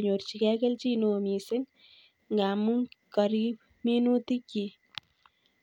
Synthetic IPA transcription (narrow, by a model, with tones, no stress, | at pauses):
ɲo˨rt͡ʃi˨kɛ˦kɛ˦lt͡ʃi˦no˨mi˨se˦ŋ | ŋɡa˨mu˦ŋka˨ɾi˦p̚ | mi˦nu˦t̪i˦ki˨